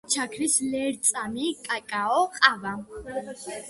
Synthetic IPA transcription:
t͡ʃʰakʰɾislɛɾt̪sʼamikʼakʼaɔqʼava

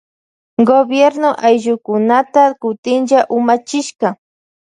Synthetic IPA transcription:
ɡobjeɾnoʔajʒʊkʊnat̪akʊt̪ɪnʒaʔʊmat͡ʃɪʃka

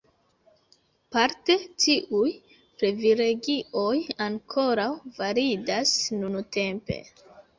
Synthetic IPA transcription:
paɾte̞tiʔuj | pɾe̞viɾe̞ɡio̞jaŋkʰo̞ɾawvaɾidasnunute̞mpe̞̰

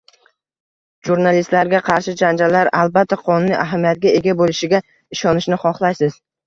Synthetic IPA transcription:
ʒuɾnalist̪laɾɡʲaqʰɑɾʃɪd͡ʒand͡ʒalːaɾalˠbat̪ʰːaqʰɒnʊnːiʔaɦamijat̪̚ɡʲae̞ɡʲabolɪʃɪɡʲa | ɪʃɒnɪʃnɪχɒχlˠajsɪz̥

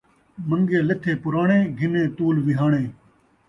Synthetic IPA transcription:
məŋɡeːlɪt̪ʰeːpʊɾaːɳẽːɡʱɪnẽːt̪uːlʋɪɦaːɳẽː

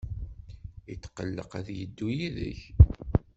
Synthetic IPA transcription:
it̪ːqəlːə̰qæðjəd̪ːujiðə̰ç

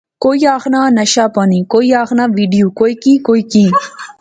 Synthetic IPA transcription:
kojaːxnanɐɕapɔnikojaːxnaʋiɖijokojkĩkojkĩ

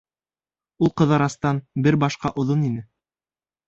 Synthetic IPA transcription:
ulˠqɤ̆ðɑɾɑst̪ɑnbɘɾbɑʃqɑʔŏðoninɘ

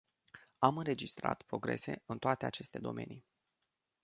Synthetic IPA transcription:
amɨnɾe̞d͡ʒist̪ɾa̰t̪pɾo̞ɡɾe̞̰se̞ɨnt̪oat̪e̞at͡ʃe̞st̪e̞d̪o̞̰mʔe̞̰ni

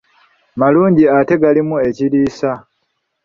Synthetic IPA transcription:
maluːɲɟiate̞ɡalimue̞ciɾiːsa

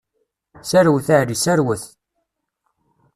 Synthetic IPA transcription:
sæɾwəθaʕɾisæɾwəθ

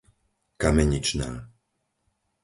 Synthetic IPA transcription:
kamɛɲit͡ʃna̰ː

